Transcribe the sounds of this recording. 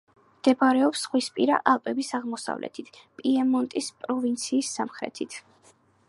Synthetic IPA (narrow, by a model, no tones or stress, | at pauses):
md̪̥ɛbaɾɛɔpsχwispʼiɾa̰ʔalˠpʼɛbisaʁmɔsa̰vlɛ̰t̪ʰit̪ʰpʼiɛmɔnt̪ʼispʼɾɔvint̪sʰiːsːamχɾɛ̰t̪ʰit̪ʰ